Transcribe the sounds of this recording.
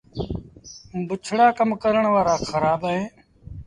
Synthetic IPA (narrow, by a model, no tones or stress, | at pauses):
bət͡ʃʰɽaːkəmkəɾəɳʋaːɾaːxʰəɾaːbaɦẽː